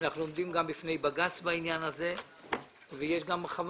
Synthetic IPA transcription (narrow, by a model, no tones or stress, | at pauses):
naχnulo̞md̪imɡambifne̞jbaɡat͡sbainjanaze̞ | vejeʃɡamʁeχav